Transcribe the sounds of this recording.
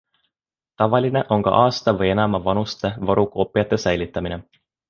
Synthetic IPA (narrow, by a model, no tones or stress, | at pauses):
t̪ɑʋɑlʲːineʔo̞ŋko̰ʔɑːst̪ɑʋɑjenæmːæʋɑnust̪eʋɑɾukoːpːiɑt̪ːesæjlit̪ːæminen